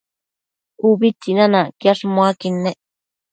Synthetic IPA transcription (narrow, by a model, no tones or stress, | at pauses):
uβit͡sinãnãkjaʂmoakinːeʔ